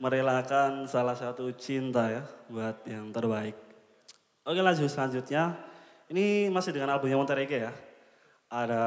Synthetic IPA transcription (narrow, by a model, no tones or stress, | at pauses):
məɾelakansalahsat̪ut͡ʃint̪ajabuat̪̚jaŋt̪ərbaɪk̚ | okelad͡ʒusəlaɲd͡ʒut̪̚ɲa | inimasɪɦdəŋanalbumɲamat̪əɾekeja | ada